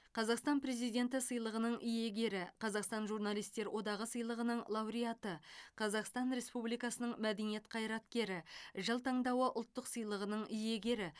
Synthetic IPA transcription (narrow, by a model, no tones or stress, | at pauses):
qʰɑzɑqst̪ɑnpɾe̞zijd̪ʲe̞nt̪ɪsəjlˠəʁənəɴʔʏje̞ɡʲe̞ɾɪqʰɑzɑqst̪ɑnʒurnɑlˠijst̪e̞ɾwʔo̞d̪ɑʁəsəjlˠəʁənəɴlˠɑwɾijat̪əqʰɑzɑqst̪ɑnɾe̞spublijkɑsənəɴmæd̪e̞nije̞t̪qʰɑjɾɑt̪̚kʲe̞ɾɪʒəlˠt̪ʰɑɴd̪ɑwəʔʊ̰lˠt̪ːəqsɨjlˠəʁənəɴʏje̞ɡʲe̞ɾɪ